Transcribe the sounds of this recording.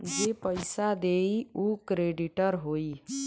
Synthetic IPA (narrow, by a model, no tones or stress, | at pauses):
d͡ʒepəjsad̪eiukɾeɖiʈəɾɦoːi